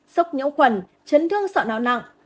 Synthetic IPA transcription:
sə˦˥wk͡p̚ɲə̰˧˥wxwə˨˩n | t͡ɕə˨˦nɗɨ˧əŋsɔ̰˧˨na̰ː˧˨wna̰˧˨ŋ͡m

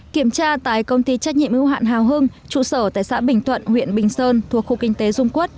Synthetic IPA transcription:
ki˧˩əmt͡ɕaː˧t̪aː˧˨jkə˧wŋ͡mt̪i˧t͡ɕɛ˦˥k̚ɲḭ˧˨əmhɨ˧wɦa̰ː˧˨nɦaː˨˩wɦə˧n | t͡ɕṵ˧˨səː˧˩t̪a̰ː˧˨jsa̰ː˧˥ɓï˨˩ŋ̟t̪ʰwə̰˧˨nhwḭ˧˨ənɓï˨˩ŋ̟səː˧nt̪ʰu˨˩ək̚xu˧kï˧ŋ̟t̪e˨˦zʊ˧ŋ͡mku˦˥ət̚

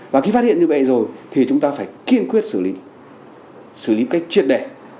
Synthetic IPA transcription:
vaː˨˩xi˧faː˦˥t̚hi˧˨nɲɨ˧˩vḛ˧˨zo˨˩jt̪ʰi˨˩t͡ɕʊ˨˦ŋ͡mt̪aː˧faː˧˩jki˧ənkwi˦˥ət̚sɨ˧˩li˨˦ | sɨ˧˩li˨˦ka˦˥jk̚t͡ɕi˦˧˥t̚ɗɛ˧˩

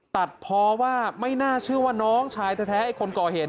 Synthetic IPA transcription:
t̪a˨˩t̪̚pʰɔː˧waː˥˩ma˥˩jnaː˥˩t͡ɕʰɯ˥˩ɐwaː˥˩nɔː˦˥ŋt͡ɕʰaː˧jt̪ʰɛː˧˩t̪ʰɛː˦˥ʔa˨˩jkʰo˧nkɔː˨˩heː˨˩t̪̚

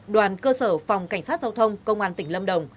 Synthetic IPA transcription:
ɗwaː˨˩nkəː˧səː˧˩fa˨˩wŋ͡mka˧˩jŋ̟saː˦˥t̚zaː˧wt̪ʰə˧wŋ͡mkə˧wŋ͡mʔaː˧nt̪ï˧˩ŋ̟lə˧mɗə˨˩wŋ͡m

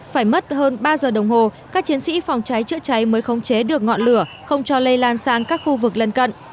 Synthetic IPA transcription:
faː˧˩jmə˦˥t̚həː˧nɓaː˧zəː˨˩ɗə˨˩wŋ͡mho˨˩kaː˦˥k̚t͡ɕi˨˦ənsḭ˧˥fa˨˩wŋ͡mt͡ɕa˨˦jt͡ɕɨ̰˧˥ət͡ɕa˨˦jməː˨˦jxə˨˦wŋ͡mt͡ɕe˨˦ɗɨ˨˩ək̚ŋɔ̰˧˨nlɨ˧˩ə | xə˧wŋ͡mt͡ɕɔ˧lə˧jlaː˧nsaː˧ŋkaː˦˥k̚xu˧vɨ˨˩k̚lə˧nkə̰˧˨nʔ

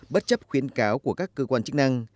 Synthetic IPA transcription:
ɓə˦˥t̚t͡ɕə˦˥p̚xwi˨˦ənkaː˨˦wku˧˩əkaː˦˥kːəː˧kwaː˧nt͡ɕɨ˦˥k̚na˧ŋ

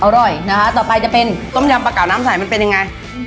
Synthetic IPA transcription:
ʔa˧wɾɔː˨˩jna˦˥kʰa˦˥t̪ɔː˨˩pa˧jt͡ɕa˨˩pe˧nt̪o˦˥˩mjaː˧mpaː˧kaː˨˩wnaː˦˥msaː˨˩˦jma˧npe˧nja˧ŋa˧j

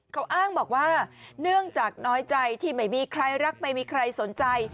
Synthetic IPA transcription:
kʰa˦˥wʔaː˥˩ŋbɔː˨˩k̚waː˥˩nɯ˥˩əŋt͡ɕaː˨˩k̚nɔː˦˥jt͡ɕa˧jt̪ʰiː˥˩ma˦˥˩jmiː˧kʰɾa˧jɾa˦˥k̚ma˦˩jmiː˧kʰɾa˧jso˩˦nt͡ɕa˧j

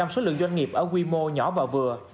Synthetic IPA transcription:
a˧mso˨˦lɨ̰˧˨ŋzwa˧jŋ̟ŋi˨˩əp̚ʔəː˧˩kwi˧mo˧ɲɔ˧˩˦vaː˨˩wvɨ˨˩ə

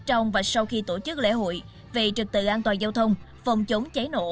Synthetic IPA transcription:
t͡ɕɔ˧wŋ͡mvaː˨˩sa˧wxi˧t̪o˧˩t͡ɕɨ˦˥k̚lḛ˧˥˨ɦo̰˧˨j | ve˨˩t͡ɕɨ˨˩k̚t̪ɨ̰˧˨ʔaː˧nt̪waː˨˩nzaː˧wt̪ʰə˧wŋ͡mfɔ˨˩wŋ͡mt͡ɕə˨˦ŋ͡mt͡ɕə˨˦jno̰˧˨

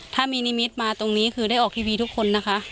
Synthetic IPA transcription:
t̪ʰaː˥˩miː˧ni˦˥mi˦˥t̪̚maː˧t̪o˧ŋniː˦˥kʰɯː˧ɾa˥˩jʔɔː˨˩k̚t̪ʰiː˧wiː˧u˦˥kʰo˧nːa˦˥kʰa˦˥ʔ

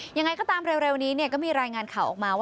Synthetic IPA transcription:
ja˧ŋa˧jkʰɔː˥˩t̪aː˧mɾeː˧wɾe˧wniː˦˥ni˥˩ɐkɔː˥˩miː˧ɾaː˧jŋaː˧nkʰaː˨˩wʔɔ̰ː˨˩k̚maː˧waː˥

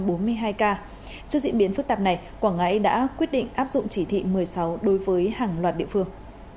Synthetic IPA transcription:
ɓo˨˦nmɨ˧əjɦaː˧jkaː˧ | t͡ɕɨ˧zḭ˧˨ənɓi˨˦ənfɨ˦˥k̚t̪aː˨˩p̚na˨˩j | kwaː˧˩ŋʔa˧˥jɗa̰ː˧˥kwi˦˥ət̚ɗḭ˧˨ŋ̟ʔaː˦˥p̚zʊ̰˧˨ŋ͡mt͡ɕi˧˩t̪ʰḭ˧˨mɨ˨˩əjsa˨˦wɗo˨˦jvəː˨˦jhaː˨˩ŋlwaː˨˩t̚ɗḭ˧˨fɨ˧əŋ

